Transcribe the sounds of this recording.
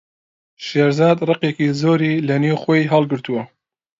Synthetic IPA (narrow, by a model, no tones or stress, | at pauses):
ʃeːɾzɑːd̪rɨqekizoːɾilɐniwxojɦɑlˠɡɨɾt̪uwɐ